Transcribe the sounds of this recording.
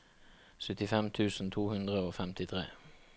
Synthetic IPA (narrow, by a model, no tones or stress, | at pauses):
sœt̪ɪfɛmt̪ʰʉːsn̩t̪ʰuːhʉnd̪ʁəoːfɛmt̪ɪt̪ʰʁḛː